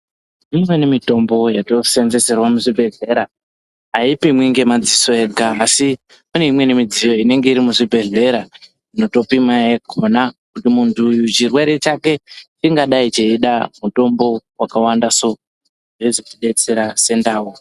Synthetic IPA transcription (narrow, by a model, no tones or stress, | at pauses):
imwe̞nimito̞mbo̞jato̞se̞nze̞se̞rwamuʐibʱe̞ɮe̞ɾa | aipimweŋɡe̞mad͡ziso̞e̞ɡʱaːsi | kune̞imwe̞nimid͡zijo̞ine̞ŋɡe̞iɾimuʐibʱe̞ɮe̞ɾa | ino̞to̞pimajeɡʱonakutimuntʰujut͡ʃirwe̞ɾe̞t͡ʃake̞t͡ʃiŋɡaɗait͡ʃeiɗamuto̞mbo̞wakawandaso̞ | ʐeʐot͡ʃiɗe̞t͡se̞ɾase̞ndaːwo